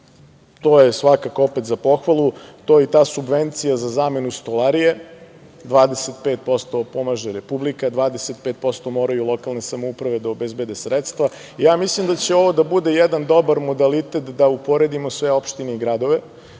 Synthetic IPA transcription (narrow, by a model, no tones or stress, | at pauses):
t̪o̞jesʋakakopet̪zapo̞xʋalˠut̪ojet̪aːsubʋent̪sijazazaːme̞nust̪olˠaɾije | d̪ʋaːd̪eset̪peːt̪̚po̞st̪o̞po̞maʒeɾepublikad̪ʋaːd̪eset̪̚pet̪̚po̞st̪o̞mo̞ːɾajulˠo̞kalˠne̞samoupɾaʋe̞d̪aobezbe̞d̪esɾet̪st̪ʋa | ijaːmislimd̪at͡ɕeo̞ʋo̞d̪abud̪e̞jɛd̪and̪o̞baɾmo̞d̪alit̪et̪d̪aupo̞ɾed̪imosʋe̞o̞pʃt̪ineiɡɾad̪o̞ʋe̞